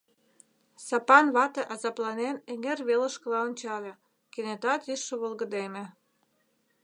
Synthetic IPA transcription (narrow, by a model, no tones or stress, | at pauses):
sɑpɑnβɑt̪eʔɑzɑplɑneneŋerβelə̆ʃkə̆lɑonʲt͡ɕɑlʲe | kenet̪ɑt̪yʃːəβolɣə̆d̪emĕ